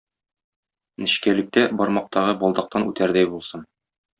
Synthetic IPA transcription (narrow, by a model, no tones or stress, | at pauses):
nɘ̆ɕkælɘ̆k̚t̪æbɒɾmɑq̚t̪ɑʁɤbɒlˠd̪ɑq̚t̪ɑnʉt̪æɾd̪æjbulˠsɤn